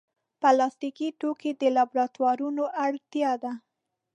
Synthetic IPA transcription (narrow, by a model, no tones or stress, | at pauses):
pəlɑst̪ikiʈoked̪əlɑbɾɑt̪wɑɾunoʔaɽt̪jɑd̪a